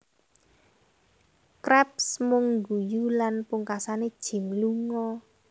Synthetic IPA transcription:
kɾɛp̚smʊŋɡujulanpuŋkasaned̥ʒ̥i̤mluŋɔ

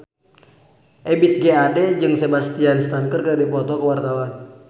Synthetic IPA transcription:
ʔɛbit̪̚ɡeadɛd͡ʒɨŋsebast̪ianst̪aŋkərkəɾadipɔt̪ɔkəwart̪awan

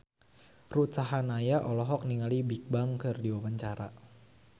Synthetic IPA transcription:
rusaɦanajaʔɔlɔɦɔk̚niŋalibik̚baŋkɨrdiwabaɲt͡ʃaɾa

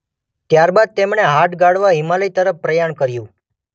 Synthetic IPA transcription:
t̪jaɾbad̪̚t̪emɳeɦaʈɡaɽʋaɦimaləit̪əɾəfpɾəjaɳkəɾjũ

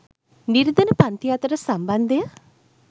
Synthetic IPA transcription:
niɾid̪ənəpant̪ijat̪əɾəsamband̪əjə

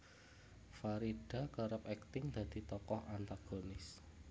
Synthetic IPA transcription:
faɾiɖ̥a̤kəɾəp̚ɛkt̪ɪŋd̪̥ä̤d̪̥i̤t̪ɔkɔhʔant̪aɡ̥onɪs

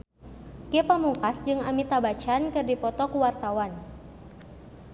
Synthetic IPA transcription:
kepamuŋkasd͡ʒɨŋamit̪abat͡ʃankɨrdipɔt̪ɔkuwart̪awan

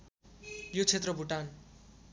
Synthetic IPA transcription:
jot͡sʰet̪rʌbʱuʈan

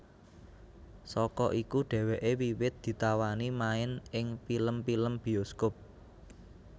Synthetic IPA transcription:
sɔkɔʔikuɖ̥ɛ̤weʔewiwɪt̪̚d̪̥i̤t̪awanimaɪnʔɪŋpiləmpiləmb̥i̤oskop̚

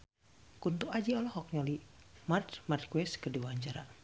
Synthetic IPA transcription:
kunt̪uʔad͡ʒiɔlɔhɔk̚ɲɔlimart͡ʃmart̪̚kwɛskəduwaɲd͡ʒaɾa̰

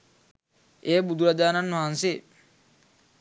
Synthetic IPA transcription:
eːbud̪uɾad͡ʒaːnanmaɦanse

